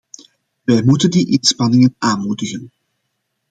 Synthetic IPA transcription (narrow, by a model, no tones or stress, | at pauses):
ʋɛjmutəndiʔɪnspɑnɪŋənʔaːnmudəɣən